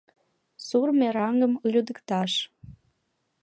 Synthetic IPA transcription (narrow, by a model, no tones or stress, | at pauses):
surmeɾɑŋɡəmlʲud̪əkt̪ɑʃ